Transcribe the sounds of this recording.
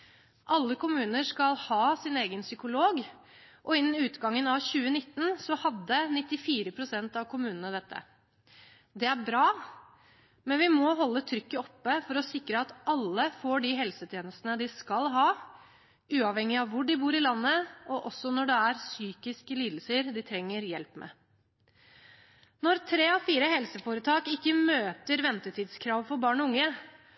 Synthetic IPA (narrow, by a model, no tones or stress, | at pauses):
ʔɑlːəkʊmʉːnəʂkɑlhɑːsɪneːɡənsʏkʊloːɡ | ʔɔɪnːnʉːt̪ɡɑŋːənɑʋçʉːənɪt̪ːn̩sɔhɑd̪ːənɪt̪ːɪfiːɾəpʰɾʊsɛnt̪ɑʋkʰʊmʉːnənəd̪ɛt̪ʰːə̰ | d̪ɛæɾbɾɑː | mɛnʋɪmɔɦɔlːət̪ʰɾʏkːəɔpːəfɔɾɔsɪkɾəɑt̪ɑlːəfoːɖiɦɛlsət̪ʰjeːnəst̪ənəd̪ɪskɑlɦɑː | ʉːɑʋhɛŋːɪɑʋʋʊɖɪbuːɾɪlɑnːəɔʔɔsːɔnɔɖɛæɾsyːkɪskəliːd̪l̩səɾd̪ɪt̪ʰɾɛŋːəɾjɛlpmɛ̰ | nɔɾt̪ʰɾeːɔfiːɾəhɛlsəfoːɾət̪ʰɑːkɪkːəmøːt̪əɾʋɛnt̪ət̪ʰiːd̪skʰɾɑːʋfɔɾbɑːɳɔʊŋːə